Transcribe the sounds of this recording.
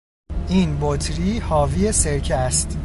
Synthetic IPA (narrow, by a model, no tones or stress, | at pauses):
ʔiːnbot̪ʰɾiːhɒːviːeseɾcʰæst̪